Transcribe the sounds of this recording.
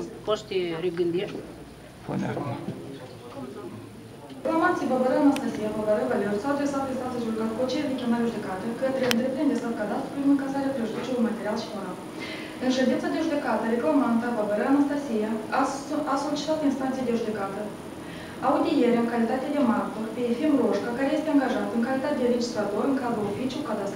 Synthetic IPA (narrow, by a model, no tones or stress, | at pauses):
poʃt̪eɾeɡɨnd̪irʲ | fo̰na̰ | reklamansijbabəɾanast̪asijababəɾəvalʲeɾusawad̪ɾesat̪̚est̪ant̪əsuluɡat̪kot͡ʃijavʲekʲonaɾeʒud̪e̞kat̪əkət̪ɾe̞ɨnt̪ɾe̞pɾind̪ʲesat̪̚kad̪ast̪ɾuɾlʲinɨŋkazaɾeapɾeʒud̪ut͡ʃeujmat̪e̞ɾialʃi̥foɾal | ɨnʃend̪insad̪e̞ʒud̪e̞kat̪əɾe̞klamant̪əbabəɾanast̪asija | aso̞lit͡ʃi̥t̪at̪inst̪ant̪sijed̪e̞ʒud̪e̞kat̪ə | aud̪ije̞ɾeaɨŋkalit̪at̪ʲed̪e̞mart̪orpeefimro̞ʃkakaɾeje̞st̪eaŋɡaʒat̪ɨŋkalit̪at̪ʲed̪eɾed͡ʒist̪ɾat̪o̞rɨŋkad̪ɾulofit͡ʃjulkad̪ast̪